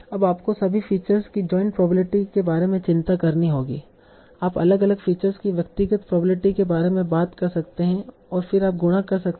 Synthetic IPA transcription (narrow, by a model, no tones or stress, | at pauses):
ɐbaːpkosɐbʱifiːt͡ʃəɾzkid͡ʒɔːɪ̃ɳʈpɾɔːbləʈikebaːɾemẽt͡ʃɪ̃nt̪akɐɾniɦoːɡḭː | aːpɐləɡɐləɡfiːt͡ʃəɾzkiʋjɐkt̪ɪɡət̪pɾɔːbɾəʈikebaːɾemẽbaːt̪kɐɾsɐkt̪eɦɛ̃ | ɔːɾfɪɾaːp̚ɡʊɽ̃akɐɾsɐk̪